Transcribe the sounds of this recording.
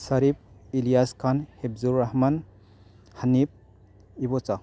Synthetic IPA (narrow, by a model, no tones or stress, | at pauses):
saɾib̚ilijaskʰanheb̚zuɾːaɦman | hanip̚ | ibɔt͡sa